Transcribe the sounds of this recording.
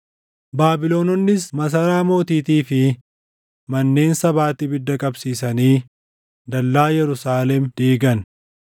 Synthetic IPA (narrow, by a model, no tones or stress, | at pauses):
baːbɪloːnɔnːɪsmɐs̬ɐɾaːmo̞ːt̪iːt̪iːfɪ | mɐnːe̞ːnsɐbaːt̪ɪbɪd̪ːɐkʼɐbsiːsɐniː | d̪ɐlːaːjɛɾʊsaːlɛmd̪̥iːɡɐn